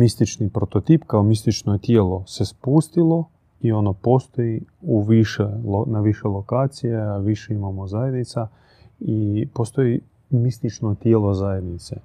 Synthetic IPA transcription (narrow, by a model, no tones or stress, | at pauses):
mist̪it͡ʃnipɾot̪ot̪iːpkaomist̪it͡ʃnoet̪jeːlo̞se̞spust̪ilˠo̞ | io̞no̞po̞st̪o̞jiuʋiʃelonaʋiʃelˠo̞kaːt̪sijeaʋiʃe̞imamozajed̪nit̪sa | ipo̞st̪o̞ji | mist̪it͡ʃnot̪jeːlo̞zajed̪nit̪sḛ